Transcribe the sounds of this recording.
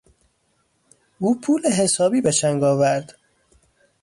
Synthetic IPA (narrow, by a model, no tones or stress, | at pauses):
ʔuːpʰuːleɦesɒːbiːbeʃæŋɡɒːvæɾd̪̥